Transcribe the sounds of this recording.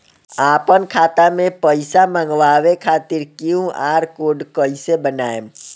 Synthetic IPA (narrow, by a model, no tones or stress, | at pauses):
apənkʰat̪amẽpəɪsaməŋɡʋaʋekʰat̪iɾkiũaːɾkoɖkəisebənaem